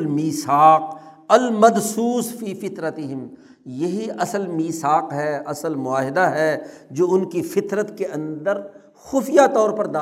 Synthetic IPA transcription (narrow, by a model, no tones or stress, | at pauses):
lmiːsaːq̚ | ɐlmɐd̪suːsfiːfɪt̪ɾət̪ɪɦɪm | jɐɦiʔɐsəlmiːsaːqɦɛʔɐsəlmʊaːɦɪd̪aɦɛːd͡ʒoːʊnkifɪt̪ɾət̪keʔɐ̃nd̪əɾ | xʊfijat̪ɔːɾpɐɾd̪aː